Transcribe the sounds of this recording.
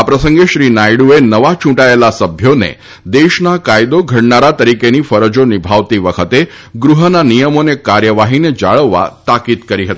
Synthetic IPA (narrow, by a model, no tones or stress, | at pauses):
apɾəsəŋɡeʃɾinajɽuenəʋat͡ʃũʈaelasəbʱjonḛ | d̪eʃnakajd̪oɡʱəɽnaɾat̪əɾikenifəɾəd͡ʒonibʱaʋt̪iʋəkʰət̪e | ɡɾuɦənanijəmonekaɾjəʋaɦined͡ʒa̰ɭəʋːa̰t̪akid̪kəɾiɦət̪i